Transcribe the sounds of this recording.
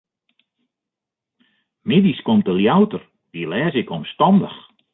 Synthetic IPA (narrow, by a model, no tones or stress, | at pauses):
mediskomtəljawtər | dilɛːzɪkɔmstɔndəx